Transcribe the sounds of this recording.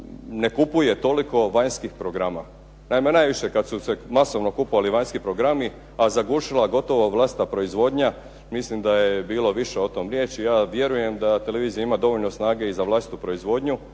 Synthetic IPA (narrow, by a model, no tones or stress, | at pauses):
ne̞kupuje̞t̪o̞liko̞ʋaɲskixpɾo̞ɡɾama | naimenajʋiʃekad̪susemaso̞ʋno̞kupoʋaliʋaɲskipɾo̞ɡɾami | azaɡuʃilˠaɡo̞t̪o̞ʋoʋlˠaːst̪apɾo̞izʋo̞ːd̪ɲa | mislimd̪ajebiːlo̞ʋiʃeot̪oːmɾjeːt͡ʃijaːʋje̞ɾuje̞md̪at̪e̞le̞ʋiːzijaimad̪o̞ʋo̞ʎno̞snaːɡe̞izaʋlˠaːsit̪upɾo̞izʋo̞d̪ɲu